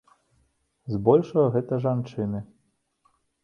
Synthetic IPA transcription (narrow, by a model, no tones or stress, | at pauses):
zbɔlʲʂɐɣɐɣɛt̪ɐʐant͡ʂɨnɨ